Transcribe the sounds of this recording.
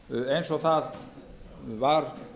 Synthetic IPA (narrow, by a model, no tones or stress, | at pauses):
ejnsɔɣθað | vaɾ